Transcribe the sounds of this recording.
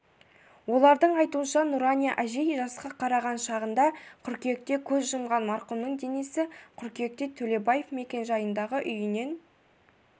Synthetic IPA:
wo̞lˠɑɾd̪əɴɑjt̪uənʃɑnuɾanʲijaʔæʒejʒɑsqɑqʰɑɾɑʁɑnʃɑʁənd̪ɑqʰʏɾkʲe̞k̚t̪e̞kʲʰɵzʒəmʁɑnmɑɾqʊmnəɴd̪e̞nesɪqʰʏɾkʲe̞k̚t̪e̞t̪ʰɵle̞baje̞fme̞kʲe̞nʒɑjənd̪ɑʁəʔʏjɪne̞n

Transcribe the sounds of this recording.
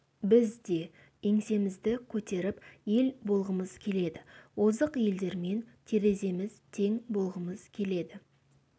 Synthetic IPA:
bɪzd̪e̞ | eŋse̞mɪzd̪ɪkʲʰɵt̪e̞ɾɪpje̞lbo̞lˠʁəməzkʲʰe̞le̞d̪ɪwozəqje̞ld̪e̞ɾme̞nt̪ʰeɾe̞ze̞mɪzt̪ʰe̞ŋbo̞lˠʁəməz̥kʲʰe̞le̞d̪ɪ

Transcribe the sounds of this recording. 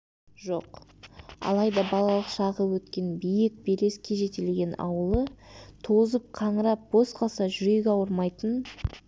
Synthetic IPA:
ʒo̞̰q | ɑ̰lˠɑjd̪ɑbɑlˠɑlˠəqʃɑʁəwɵt̪kʲe̞nbijɪk̚beɾe̞skʲʰe̞ʒe̞t̪elɡʲe̞nɑ̰wəlˠət̪ʰozəp̚qʰɑɴəɾɑp̚b̥o̞sqʰɑsɑʒʏɾe̞ɡʲeɑwəɾmɑjt̪ən

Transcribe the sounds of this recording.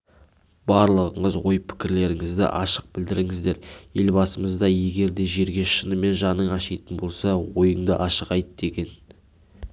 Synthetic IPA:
b̥ɑɾlˠəʁəɴəzwo̞jpʰɪ̥kʲɪɾle̞ɾɪŋɪzd̪ɪ̰ʔɑʃəq̚bɪld̪ɪɾɪŋɪzd̪e̞ɾje̞lbɑsəməzd̪ɑje̞ɡʲe̞ɾd̪e̞ʒe̞ɾɡʲe̞ʃənəme̞nʒɑnəɴɑʃɑjt̪ənbo̞lˠsɑwo̞jəɴd̪əʔɑʃəʁɑjt̪d̪̥e̞kʲe̞n

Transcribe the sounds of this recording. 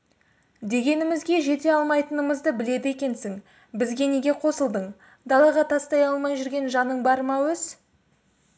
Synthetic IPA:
d̪e̞ɡʲe̞nɪmɪzɡʲe̞ʒe̞t̪e̞ɑlˠmɑjt̪ənəməzd̪əbɪle̞d̪ɪe̞kʲe̞nsɪŋ | bɪzɡʲe̞ne̞ɡʲe̞qʰo̞səlˠd̪əɴ | d̪ɑlˠɑʁɑt̪ʰɑst̪ɑjɑlˠmɑjʒʏɾɡʲe̞nʒɑnəɴbɑɾmɑwɵz̥

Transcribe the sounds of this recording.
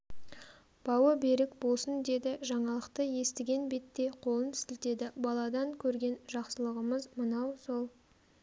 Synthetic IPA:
b̥ɑwəbe̞ɾɪkbolˠsənd̪e̞d̪ɪʒɑɴɑlˠəqt̪əje̞st̪ɪɡʲe̞nbe̞t̪ːe̞jqʰo̞lˠənt̪ɪ̥sɪlt̪e̞d̪ɪbɑlˠɑd̪ɑŋkʲʰɵɾɡʲe̞nʒɑqsəlˠəʁəməzmənɑwso̞lˠ

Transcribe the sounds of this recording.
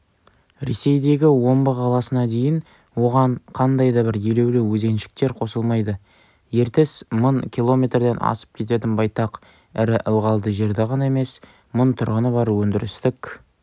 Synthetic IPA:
ɾe̞̰se̞jd̪e̞ɡʲɪwo̞mbəqʰɑlˠɑsənɑd̪e̞jɪn | wo̞ʁɑɴqʰɑnd̪ɑjd̪ɑbɪɾje̞lewlɪwɵze̞nʃɪ̥k̚t̪e̞ɾqʰo̞səlˠmɑjd̪ə | je̞ɾt̪ɪsmənkʲʰilˠo̞mʲe̞t̪rd̪e̞nʔɑ̰sə̥p̚kʲʰe̞t̪e̞t̪̬ɪnbɑjt̪ɑq | ɪɾɪʔəlˠʁɑlˠd̪əʒe̞ɾd̪ɪʁɑnɑeme̞s | mʊnt̪ʰʊɾʁənəbɑɾwɵnd̪ɪɾɪst̪ɪk

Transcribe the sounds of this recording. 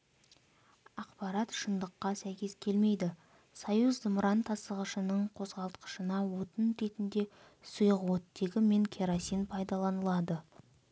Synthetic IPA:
ɑqpɑɾɑt̪ʃənd̪əqːɑsæjkʲe̞skʲʰe̞lme̞jd̪ɪ | sɑjuzd̪əmɾɑnt̪ʰɑsəʁəʃənəɴqʰo̞zʁɑlˠt̪qə̥ʃənɑwot̪ənɾe̞t̪ɪnd̪e̞ | səjəʁwot̪ːe̞ɡʲɪme̞ŋkʲʰeɾasinpʰɑjd̪ɑlˠɑnəlˠɑd̪ə

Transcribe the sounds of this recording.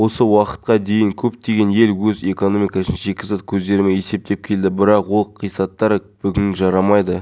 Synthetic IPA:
wo̞səwɑqə̥t̪̚qɑd̪e̞jɪŋkʲʰɵpt̪e̞ɡʲe̞nje̞lwɵze̞ko̞no̞mikɑsənʒe̞kʲɪsɑt̪kʲʰɵzd̪e̞ɾɪmee̞se̞p̚t̪e̞p̚kʲʰe̞ld̪ɪbɪɾɑqwo̞lˠqʰijsɑt̪ːɑɾəb̥ʏɡʲɪnʒɑɾɑmɑjd̪ə

